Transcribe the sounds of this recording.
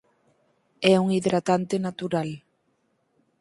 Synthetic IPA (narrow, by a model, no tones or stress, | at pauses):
ɛuŋiðɾat̪ant̪ɪnat̪uɾal